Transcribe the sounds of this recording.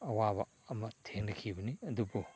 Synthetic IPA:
ɐwabɐ̰ | ɐmɐtʰeŋnɐkʰibɐniɐdubu

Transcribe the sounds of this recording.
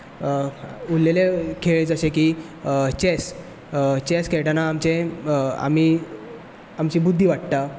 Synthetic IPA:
ulːelekʰeɭet͡səɕekiː | t͡ɕes | t͡ɕeskeʈanaːmt͡ɕea̰mi | amt͡ɕiːbud̪ʱːiːʋaʈt̪a

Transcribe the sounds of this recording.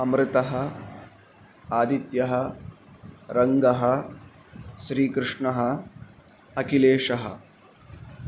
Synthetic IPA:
ɐmɾɨt̪ɐɦɐ̆ | aːd̪ʱit̪jɐɦɐ̆ | ɾɐŋɡɐɦɐ̆ | ʃɾiːkɾɪʂɳɐɦɐ̆ | ɐkileːʂɐɦɐ̰̆

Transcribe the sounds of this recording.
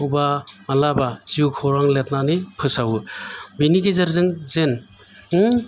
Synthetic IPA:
wbamalabaz̥iukʰɔɾaŋlet̚nanipʰɯsawubiniɡezaɾzɯŋzen

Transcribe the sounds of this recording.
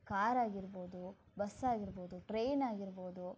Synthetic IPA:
kaːɾaːɡiɾbo̞ːd̪u | bɐsaːɡiɾboːd̪uʈɾeːnaːɡiɾboːd̪u

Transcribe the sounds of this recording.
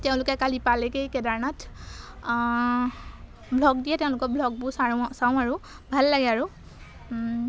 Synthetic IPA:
tɛʊ̃lʊkɛkalipalɛkejkɛdaɹnat | bʱlɔɡdijɛtɛʊ̃lʊkɔbʱlɔɡ̚busaɹsaʊ̃aɹu | bʱalːaɡɛaɹu

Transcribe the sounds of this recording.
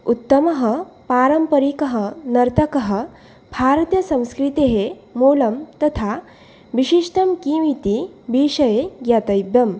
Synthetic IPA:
ut̪ːəmɐɦəpaːɾɐmpɐɾikɐɦənɐɾt̪ɐkɐɦə | bʱaɾt̪jɐsɐ̃w̃skɾit̪eɦe | moːlɐmt̪ɐt̪ʰa | ʋiɕiʂʈɐmkiːʋit̪ibiːʂɐjeɡjat̪ɐjbjɐm

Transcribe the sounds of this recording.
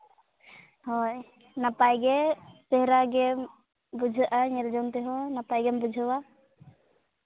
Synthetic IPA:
hɔj | napajɡɛsɛɦɾaɡɛm | bud͡ʒʱəʔaɲɛld͡ʒɔmt̪ɛɦɔ̃napajɡɛmbud͡ʒʱəwa

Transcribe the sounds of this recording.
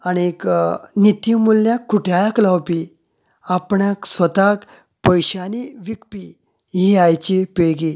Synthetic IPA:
añieknit̪imulːjakːuʈʰjajaklawpi | apɳjaksʋət̪ak | pəjɕaniʋikpi | ɦiajt͡ɕipeɭɡi

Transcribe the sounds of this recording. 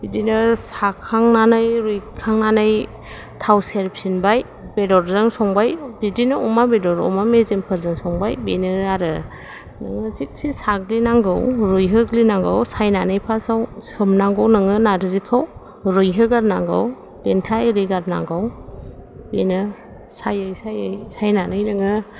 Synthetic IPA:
b̥idinɯsakʰaŋnanajɾujkʰaŋnanaj | tʰawseɾpʰsinbaj | b̥edɔɾzɯŋsɔŋbajbidinɯɔmabedɔɾɔ̰mamezempʰɯɾzɯŋsɔŋbajbenɯaɾɯ | nɯŋɯzik̚sisaɡlinaŋɡɯwɾɯjɦɯɡlinaŋɡɯ̰wsajnanɯjpʰasawsɯmnaŋɡawnɯŋɯnaɾzikʰaw | ɾɯjɦɯɡaɾnaŋɡa̰w | lentʰaiɾiɡaɾna̰ŋɡaw | benɯ | sajajsajajsajnanɯjnɯŋɯ

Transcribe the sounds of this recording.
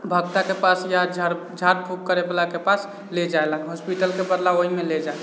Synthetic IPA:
bʱəɡt̪akepasjaɾd͡ʒaɾ | d͡ʒʱaɾ̚pʰup̚kəɾeplakepas | led͡ʒaelaɦɔspiʈəlkebəd̪laoɦimẽled͡ʒae

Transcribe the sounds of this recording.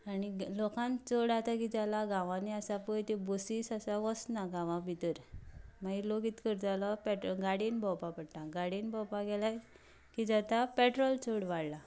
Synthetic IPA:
anilokãnt͡soɽat̪akid͡zalaɡãʋãniasapɔjt̪ebosiːsasaʋɔsnaɡãʋãbʱit̪əɾmaɦilokiːt̪kəɾd͡zalɔpɛʈɾɔɡaɽinbʱɔwpapəɽʈ̪ãɡaɽinbɔwpaɡɛlaj | kid͡zat̪apɛʈɾɔlt͡soɽʋaɽla

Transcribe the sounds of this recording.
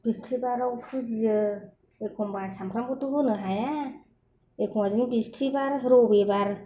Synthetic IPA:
b̥istʰibaɾawpʰuzijɯ | ekʰɔmbasamkʰɾambɯtubɯnɯɦaja | ekʰɔmazinibistʰibaɾɾɔbebaɾ

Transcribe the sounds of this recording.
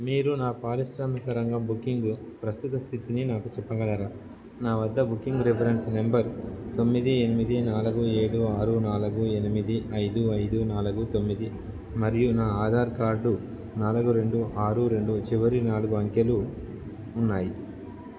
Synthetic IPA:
miːɾunaːpaːɾiʃɾaːmikɐɾɐŋɡɐmbukːiŋɡ | pɾɐsut̪ɐst̪ʰit̪ininaːkut͡ʃɛpːɐɡɐnaːɾa | naːʋɐd̪ːɐbukːiŋɡɾipʰɐɾensne̞mbɐɾt̪o̞mːid̪ienimid̪inaːluɡue̞ːɽuaːɾunaːluɡuenimid̪iʔɐjd̪uɐjd̪unaːluɡut̪o̞mːid̪i | mɐɾijunaːaːd̪ʱaːɾkaːɾɖu | naːlɐɡuɾe̞ɳɖuʔaːɾuɾe̞ɳɖut͡ʃiʋɐɾinaːluɡuɐŋkeluː | nːaːji

